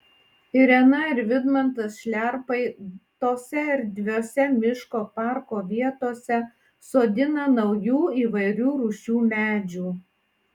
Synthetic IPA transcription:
ɪɾʲɛnɐɪɾʋʲɪd̪mɐnt̪ɐsʃʲlʲæɾpɐɪt̪oːsʲɛɪɾd̪ʲʋʲoːsʲɛmʲɪʃkoːpɑˑɾkoːʋʲiɛt̪oːsʲɛ | soːd̪ʲɪnɐnɐʊjuːiːʋɐɪɾʲuːɾʊʃʲuːmʲæːd͡ʒʲuː

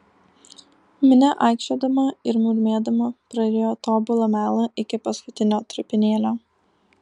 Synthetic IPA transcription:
mʲɪnʲɛʔɑˑɪkʃʲoːd̪ɐmɐɪɾmuːɾʲmʲeːd̪ɐmɐpɾɐɾʲeoːt̪oːbʊlˠɐmʲæːlˠɐʔɪkʲɪpɐskʊt̪ʲɪnʲoːt̪ɾʊpʲɪnʲeːlʲoː

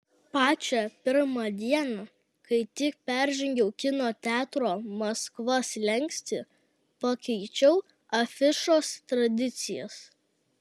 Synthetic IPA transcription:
pɑːt͡ʃʲɛpʲɪɾmɑd̪ʲiɛnɑ | kɐɪt̪ʲɪk̚pʲæɾʲʒʲɪŋʲɡʲɛʊkʲɪnoːt̪ʲæːt̪ɾoːmɐskʋɐslʲɛŋʲksʲt̪ʲɪ | pɐkʲɛɪt͡ʃʲɛʊ | ɐfʲɪʃoːst̪ɾɐd̪ʲɪt̪sʲɪjɛ̰s

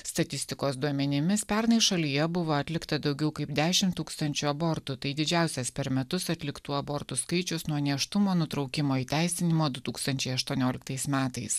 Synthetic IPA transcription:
st̪ɐt̪ʲɪst̪ʲɪkoːsd̪uɔmʲɛnʲɪmʲɪspʲɛɾnɐɪʃɐlʲijɛbʊʋoːɐt̪ʲlʲɪkt̪ɐd̪ɒʊɡʲɛʊkɐɪpd̪ʲæːʃʲɪmt̪uːkst̪ɐnʲt͡ʃʲuɐbɔːɾt̪ʊt̪ɐɪd̪ʲɪd͡ʒʲæˑʊsʲɛspʲɛɾmʲɛt̪ʊsɐt̪ʲlʲɪkt̪uːɐbɔɾt̪ʊskɐɪt͡ʃʲʊsnuɔnʲiɛʃt̪ʊmoːnʊt̪ɾɒʊkʲɪmoːiːt̪ʲæˑɪsʲɪnʲɪmoːd̪ʊt̪uːkst̪ɐnʲt͡ʃʲɛɪɐʃt̪uɔnʲoːlʲɪk̚t̪ɐɪsmʲæːt̪ɐɪs

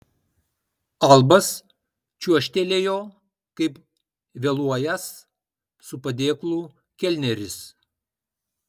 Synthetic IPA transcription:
ɐlˠbɐs | t͡ʃʲuɔʃʲt̪ʲelʲeːjoː | kɐɪp | ʋʲelˠuɔjɛs | sʊpɐd̪ʲeːklˠuː | kʲɛlʲnʲɛɾʲɪs

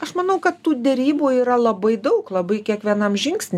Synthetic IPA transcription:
ɐʃmɐnɐʊkɐt̪tuːd̪ʲɛɾʲiːbuːiːɾɐlˠɐbɐɪd̪ɐʊklˠɐbɐɪkʲiɛkʋʲiɛnɐmʒʲɪŋksʲnʲ

